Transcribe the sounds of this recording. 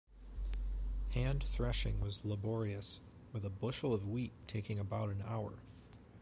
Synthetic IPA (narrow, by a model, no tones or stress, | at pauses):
hæ̃nθɹɛʃɪ̃ŋwʌzləbɔɹiɨs | wɨðəbʊʃl̩ˠʌvwitʰeɪkɪ̃ŋɨbaʊɾɨ̃na̰ʊə̰˞